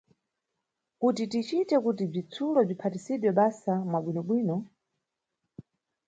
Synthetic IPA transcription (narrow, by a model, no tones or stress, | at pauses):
kutitit͡ʃitɛkutib͡ʐit͡sʰulɔb͡ʐipʰatisiɗwɛɓasamwaɓwinɔɓwiːnɔ